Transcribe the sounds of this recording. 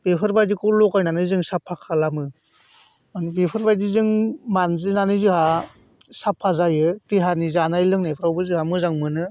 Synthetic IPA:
b̥epʰɯɾbajdikʰɔlɔkajnanɯzɯŋsapʰakʰalamɯ | anbepʰɯɾbajdizɯŋmanzinanɯzɯha | sapʰːazajɯtiɦanizanajlɯŋnepʰɾawbɯzɯhamɯzaŋmɯnɯ

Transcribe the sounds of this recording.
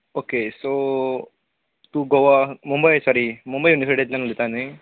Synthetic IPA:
okeso | t̪uːɡoʋamumbɐjsɔɾimumbəjuniseɖet̪lãŋd̪it̪ane

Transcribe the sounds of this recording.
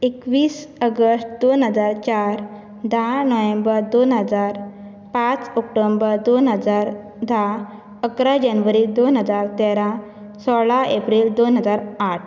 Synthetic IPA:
ekʋiːsəɡəsʈd̪onɦəd͡zaɾt͡ɕaɾ | d̪ʱanɔʋẽmbəɾd̪onɦəd͡zaɾ | pãt͡sɔk̚ʈombəɾd̪onɦəd͡zaɾ | d̪ʱa | əkɾad͡ʑanʋəɾid̪onɦəd͡zaɾt̪ɛɾã | sɔɭaepɾild̪onɦəd͡zaɾaʈʰ

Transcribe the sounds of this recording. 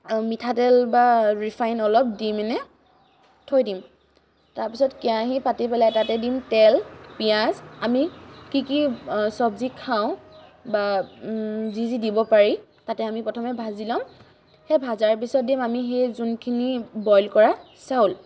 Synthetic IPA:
mitʰatɛlbaɹifʰajnɔlɔp̚dimɛnɛ | tʰojdim | taɹpisɔtkijaɦipatipɛlajtatɛdimtɛlpijazamikikisɔbzikʰːaʊ̃ba | zizidibɔpaɹi | tatɛamipɔtʰɔmɛbʱazilam | xebʱazaɹpisɔt̚dimamixejzunkʰinibɔjlkɔɹa | saʊl

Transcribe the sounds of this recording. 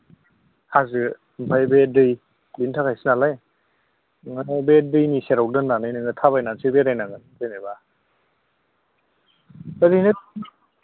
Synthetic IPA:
hazɯ | bʰʱajbedɯj | bintʰakʰajsinalaj | ŋabedɯjniseɾaw̚dɯnːanɯjnɯŋɯtʰaβajnansibeɾajnaŋɡɯndɯjnajba | adinɯ

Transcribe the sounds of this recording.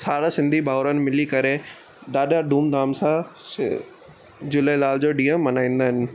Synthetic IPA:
saːɽasɪ̃nd̪ʱibʱaːɾənɪ̆mɪlikɐɾe | ɗaːɗaɖũːmd̪ʱaːmsã̰ | d͡ʑʊləlaːld͡ʑoːɗiːə̃mːɐnaːĩːnd̪aːɦɪnɪ̆

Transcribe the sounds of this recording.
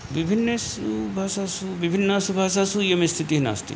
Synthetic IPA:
ʋibʱinːɐs | ubʱaːʃasuʋibʱinːasubʱaːʃasuijemest̪ʰit̪iɦina̰ːst̪ḭ

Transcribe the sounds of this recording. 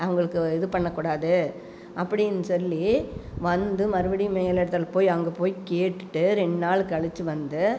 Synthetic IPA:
ɐʋɐŋɡɐɭɯkːɯɪðɯpɐɳːɐkːuːɽaːðɯ | ʔɐpːɐɽɪnːɯsɔlːiʋɐnd̪ɯmɐɾɯbɐɽimeːjɐlɛɽɐt̪ːɐlpoːjɐŋɡɐpoːjkeːʈːɯ̥ʈːɯɾɛɳnaːɭɯkːɐɭɪt͡ʃːɯʋɐnd̪ɯ

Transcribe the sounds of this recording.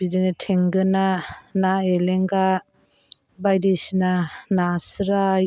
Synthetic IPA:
bidenatʰeŋɡɯnanaeleŋɡa | bajdisnanasɾaj

